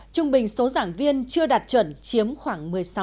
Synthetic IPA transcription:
t͡ɕʊ˧ŋ͡mɓï˨˩ŋ̟so˨˦zaː˧˩ŋvi˧ənt͡ɕɨ˧əɗaː˨˩t̚t͡ɕwə̰˧˩nt͡ɕi˨˦əmxwaː˧˩ŋmɨ˨˩əjsa˨˦

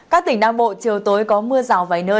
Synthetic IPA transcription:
kaː˦˥k̚t̪ï˨˩ŋ̟ɗaː˧ŋɓo̰˧˨t͡ɕi˨˩əwt̪o˨˦jkɔ˨˦mɨ˧əzaː˨˩wvaː˨˩jnəː˧

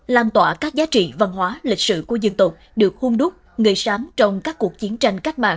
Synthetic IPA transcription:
laː˧mt̪wa̰ː˧˩kaː˦˥k̚zaː˨˦t͡ɕḭ˧˨və˨˧˩nhwaː˨˦lï˨˩k̟̚sɨ̰˧˨ku˧˩əzɨ˧˩nt̪ʊ˨˩k͡p̚ɗɨ˨˩ək̚hu˧ŋ͡mɗʊ˦˥k͡p̚ | ŋɨ˨˩əjsaː˨˦mt͡ɕɔ˧wŋ͡mkaː˦˥kːu˨˩ək̚t͡ɕi˨˦ənt͡ɕa˧jŋ̟ka˦˥k̟̚ɓma̰ː˧˨

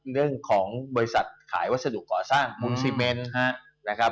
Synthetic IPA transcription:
nɯ˥˩əŋkʰɔː˩˦ŋbɔː˧ɾi˦˥sa˨˩t̪̚kʰa̰ː˩˦jwa˦˥t̪̚sa˧du˨˩kːɔː˨˩saː˥˩ŋu˧nsiː˧me˧nɦa˦˥ | na˦˥kʰa˦˥

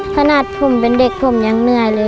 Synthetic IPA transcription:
kʰa˧naː˧˩t̪̚pʰo˧˩˨mpe˨˦nde˧˩k̚pʰo˧˨mɲaː˨˧˦ŋnɯ˧˩əjlɤː˧˦

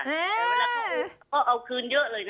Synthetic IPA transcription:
a˦˥˧kɔː˦˥˩ʔa˧wkʰɯː˧njɨ˦˥ʔlɤː˨jn

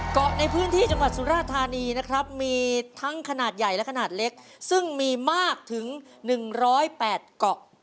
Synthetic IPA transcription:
kɔ˨˩ʔna˧jpʰɯː˦˥nt̪ʰiː˥˩t͡ɕa˧ŋwa˨˩t̪̚su˨˩˦ɾaː˥˩t̪ʰːaː˧niː˧na˦˥kʰɾa˦˥p̚miː˧t̪ʰa˦˥ŋkʰa˧naː˨˩t̪̚ja˨˩jlɛ˦˥kʰa˧naː˨˩t̪̚le˦˥k̚sɯ˥˩ŋmiː˧maː˥˩k̚t̪ʰɯ˩˦ŋ | nɯ˨˩ŋɾɔː˦˥jpɛː˨˩t̪̚kɔ˨˩ʔ

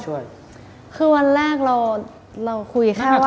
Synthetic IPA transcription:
u˥˩j | kʰɯː˧wa˧nɾɛː˥˩k̚ɾa˧w | ɾa˧wkʰu˧jkʰɛː˥˩˧wa˥

